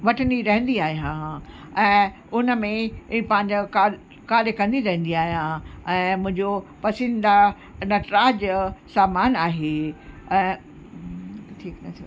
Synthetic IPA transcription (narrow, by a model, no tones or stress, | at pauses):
ʋɐʈʰəniɾɐɦə̃nd̪iaːɦijã | ɛ̃ː | ʊnəmẽɪ̃pɐ̃ɦɪ̃ɲd͡ʑokal | kaːlekɐ̃nd̪iɾɐɦə̃nd̪iaːɦijãɛ̃ːmʊ̃ɦɪ̃ɲd͡ʑopɐsɪ̃nd̪a | nɐʈɾaːd͡ʑsaːmaːnaːɦeːɛ̃ː | ʈʰiːknɐt̪ʰ